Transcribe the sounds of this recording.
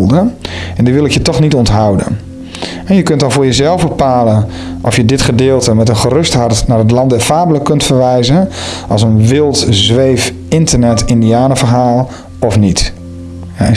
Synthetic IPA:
lˠdəɛndiʋɪlˠɪkjətɔχnitɔntɦawdə̰n | ɛnjəkɵnt̚dɑnvʊːɹjəzɛlˠvbəpaːlən | ʔɔfjədɪtχədɪːlˠtəmɛtənχərɵstɦɑrtnaːɹɦət̬lɑndɛfaːbləkɵntfəɹʋɛjzənʔɑlˠsənʋɪlˠtzʋejf | ɪntərnɛtɪndiaːnəvəɹɦaːlˠ | ɔfnit | a

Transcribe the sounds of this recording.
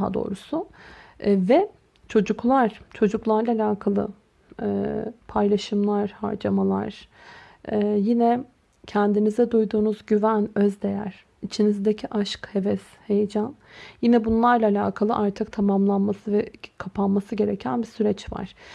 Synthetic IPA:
ɦa̰d̪o̞̰ːɾusʊ | vɛ | t͡ʃʰo̞d͡ʒuklˠaɾ̥t͡ʃʰo̞d͡ʒuklˠaɾlˠaːlʲaːkʰalˠɯ̰ | pʰajlˠaʃɯmlˠaɾ̥ha̰ɾd͡ʒamalˠa̰ɾ̥ː | jinɛ | cʰɛnd̪inizɛd̪ujd̪uːnuzɟyvænøzd̪e̞jæɾ̥ | it͡ʃʰinizd̪ecʰiʔaʃkhe̞vɛshe̞jed͡ʒan | jinɛbunlˠaɾlˠaːlʲa̰ːkʰalˠɯʔaɾt̪ʰɯk̚t̪ʰamamlˠanmasɯvɛkʰapʰanmasɯɟe̞ɾecʰænbisyɾɛt͡ʃva̰ɾ̥

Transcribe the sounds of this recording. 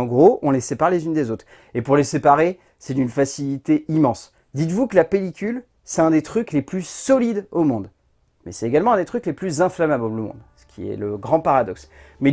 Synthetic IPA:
ɑ̃ɡʁoɔ̃lesepaʁlezynd̪ezot̪χ | epuʁlesepaʁe | sɛt̪ynfasilit̪eimɑ̃s | d̪it̪vukəlapelikʲyl | sɛt̪ɛ̃d̪et̪χykleplysɔlid̪omɔ̃d̪ | mɛ̰sɛt̪eɡalmɑ̃ɛ̃d̪et̪χykleplyzɛ̃flamablolomɔ̰̃d̪sə̥kʲʰiɛ̰ləɡʁɑ̃paʁad̪ɔksmɛ

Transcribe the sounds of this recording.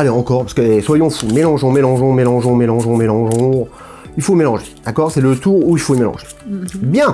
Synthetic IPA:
aleɑ̃kɔʁpasəkəɛswajɔ̃fumelɑ̃ʒɔ̃melɑ̃ʒɔ̃melɑ̃ʒɔ̃melɑ̃ʒɔ̃melɑ̃ʒɔ̃ | ilfomelɑ̃ʒed̪̥akɔːʁsɛlət̪uʁuilfoimelɑ̰̃ʒe̥ | bjɛ̃

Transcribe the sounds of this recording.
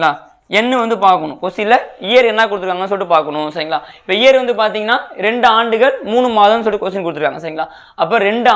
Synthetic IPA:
ɭaː | ɛnːɯʋɐnd̪ɯpaːɾkɐɳʊ̃kosɪlːɐɪjɐɾɛnːaːkʊɽɯt̪ːɯkːaːŋɡɐnːɯs̬ɔlʈːɯpaːɾkɐɳʊ̃sɐɾiŋɡɐɭaːɪpːɐɪjɐɾʋɐnd̪ɯpaːɾt̪iːŋɡɐnːaːɾɛɳɖɯaːɳɖɯɣɐɭmuːɳɯmaːðɐmnɯsɔlːʈːikos̬ɪnkʊɽɯt̪ːɯkːaːŋɡɐsɐɾiːŋɡɐɭaː | ɐp̬ːɐːɾɛɳɖɯ

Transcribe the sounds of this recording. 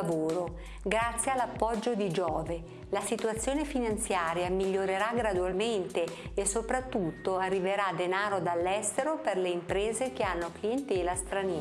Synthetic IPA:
voːɾo | ɡɾat̪sːjealːapːɔd͡ʒːod̪id͡ʒɔːve | lasit̪uat̪sːjoːnefinant̪sjaːɾjamiʎːoɾeɾaɡɾad̪ualment̪eesːopɾat̪ːut̪ːoarːiveɾad̪enaːɾod̪alːɛst̪eɾoperleimpɾeːzekeanːoklient̪ɛlast̪ɾaniː

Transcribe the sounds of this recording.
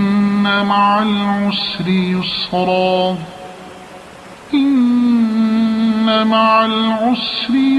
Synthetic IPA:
amaʕalʕʊsɾɪjʊsɾˤɑː | ʔɪn | amaʕalʕʊsɾɪ

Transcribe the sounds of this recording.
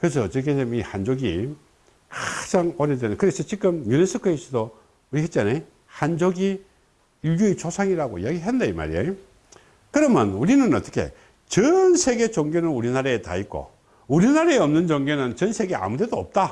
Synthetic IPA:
kɯɾes̬ʰʌt͡ɕeɡedemihand͡ʑoɡi | kad͡ʑaŋʌɾedenɯkɯɾesʰʌt͡ɕik͈ɯmɲunesʰɯkʰɯesʰɯdo | uɾiɦet̚t͡ɕane | hand͡ʑoɡi | ilɡuet͡ɕosʰaŋiɾaɡoḭjaɡiɦendeima̰ɾiejo | kɯɾʌmjʌnuɾinɯnʌt̪͈ʌ̥kʰe̞̰ | t͡ɕʌnsʰe̞ɡe̞t͡ɕoŋɡjenɯnuɾinaɾaeta̰ik͈o̰ | uɾinaɾaeʌmnɯnd͡ʑoŋɡenɯnt͡ɕʌnsʰe̞ɡe̞a̰mude̞doʌp̚t͈a

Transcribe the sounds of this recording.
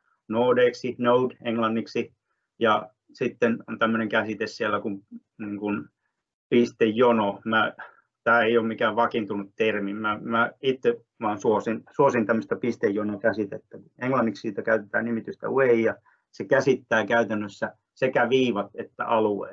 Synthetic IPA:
noːdeːksinoudeŋlɑnːiksi | jɑ̰ | sit̪ːenont̪æmːøneŋkæsit̪essielːækum | niːŋkun | pist̪ejːonomæ | t̪æːeijoːmmikæːʋʋɑkint̪unut̪t̪ermimmæmæit̪ːe | ʋɑːnsuosinsuosint̪æmːøst̪ɑpist̪ejːonokæsit̪et̪ːækuneŋlɑnːikssiːt̪ækæyt̪et̪æ̰ːnimit̪yst̪æ̰weijɑ | sekæsit̪ːæːkæyt̪ænːøsːæ | sekæʋiːʋɑt̪et̪ːæ̰ʔɑluḛː

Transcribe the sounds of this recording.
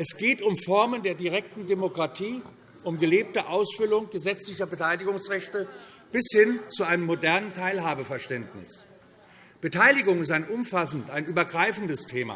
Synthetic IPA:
ʔɛsɡ̥eːtʊmfɔɐməndeːɐdiʁ̞ɛk̚tn̩demokʁ̥atʰiː | ʔʊmɡəleːp̚təʔaʊsfʏlʊŋɡəzɛt͡slɪçɐbətʰaɪlɪɡʊŋsʁɛçtə | b̥ɪshɪnt͡suaɪnəmːodɛɐnəntʰaɪlɦaːbəfɛɐʃtɛndnɪ̰s | b̥ətʰaɪlɪɡʊŋɪstaɪnʔʊmfasn̩taɪnʔyːbɐɡʁaɪfn̩dəstʰeːma̰ː

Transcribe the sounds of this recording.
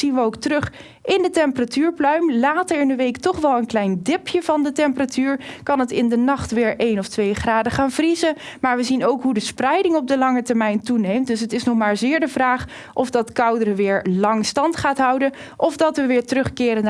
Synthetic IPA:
inʋəowktrɵχ | ʔɪndətɛmpəratyːɹplœɥmlaːtəɹɪndəʋejktɔχʋɛlˠənklɛjndɪpjəvɑndətɛmpəratyːɹkɑnətɪndənɑχtʋɪːɹʔejnɔftʋejχraːdəχaːnvrizəmaːɹʋəzinowkɦudəsprɛjdɪŋɔb̚dəlɑŋətəɹmɛjntunejmt̚dɵs̬ətɪsnɔχmaːɹzɪːɹdəvraːχ | ʔɔvdɑtkʌwdərəʋɪːɹlɑŋstɑntχaːtɦɑwdə | ʔɔfdɑtʋəʋɪːɹtərɵχkɪːɾən

